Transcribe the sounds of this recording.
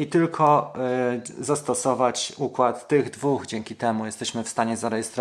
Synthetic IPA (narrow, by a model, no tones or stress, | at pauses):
it̪ɘlkʰɔ | zast̪ɔsɔvat͡ɕukwat̪ːɘɣd̪vuɣd͡ʑɛŋkʲit̪ɛmujɛst̪ɛɕmɘfst̪aɲɛzaɾɛjɛst̪ɾɔ